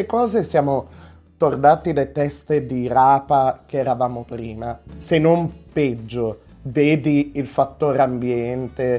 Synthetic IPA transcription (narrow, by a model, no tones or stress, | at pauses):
lekɔːzesjaːmo | t̪ord̪aːt̪ilet̪ɛst̪ed̪iɾaːpakeɛɾavaːmopɾiːmasenːompɛd͡ʒːo | veːd̪iilfat̪ːoːɾeambjɛnt̪e